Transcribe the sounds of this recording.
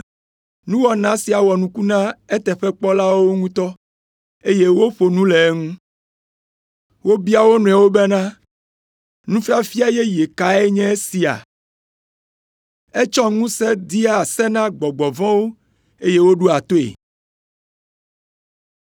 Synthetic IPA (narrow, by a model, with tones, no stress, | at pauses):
nũ˦wɔ˦nã˨˦si˨a˨wɔ˨nũ˦ku˦nã˦e˦t̪ɛ˨ɸɛ˦k͡pɔ˦la˦wo˦ŋũ˦t̪ɔ˦ | e˦je˦wo˦ɸo˨nũ˦le˨˦ŋũ˦ | wo˦bi˦a˨wo˦nũ˨a˨wo˦bɛ˦nã˦ | nũ˦fi˦a˨fi˦a˨je˦je˨ka˨ɛ˦ɲɛ̃˦si˨a̰˨ | e˦t͡ʃɔ˦ŋũ˦sɛ˦d̪i˦a˨sɛ˦nã˦ɡ͡bɔ˨ɡ͡bɔ˨vɔ̃˦wo˦ | e˦je˦wo˦ɖu˦a˨t̪o˦ḛ˨